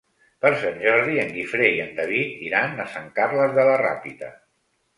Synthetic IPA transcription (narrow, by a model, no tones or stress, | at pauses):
pəɾsanʲʒɔɾðiəŋɡifɾeiənd̪əβit̪iɾanəsaŋkarləzðələra̰pit̪ə̰